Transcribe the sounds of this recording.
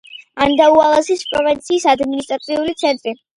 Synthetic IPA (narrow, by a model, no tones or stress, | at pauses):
and̪aualˠasispʼɾɔvint̪sʰiːsad̪minist̪ʼɾat̪sʰʼiulit̪sʰɛnt̪ʼɾi